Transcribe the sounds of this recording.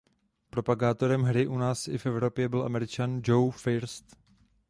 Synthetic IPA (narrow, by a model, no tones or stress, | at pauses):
pɾo̞paɡaːt̪o̞ɾɛmɦɾɪʔunaːsɪ̰fʔɛvɾo̞pjɛbɪlʔa̰mɛɾɪt͡ʃand͡ʒowfɪɾst̪